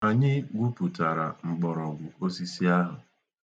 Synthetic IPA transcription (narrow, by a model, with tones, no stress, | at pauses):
a˨ɲɪ˦ɡʷu˦pu˨ta˨ɾa˨ŋ͡m̩˨ɡ͡bɔ˨ɾɔ˨ɡʷʊ˨o˦si˦si˦a˦ɦʊ˨